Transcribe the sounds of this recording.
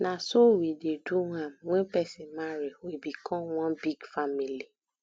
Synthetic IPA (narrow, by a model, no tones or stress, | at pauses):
nãsowideduwãmwẽpɛsɛ̃mãɾɛwebikɔ̃w̃ɔ̃nbiɡfamĩli